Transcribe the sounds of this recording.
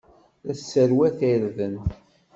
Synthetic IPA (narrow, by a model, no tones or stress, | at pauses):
ðæsːəɾwæθæɾðən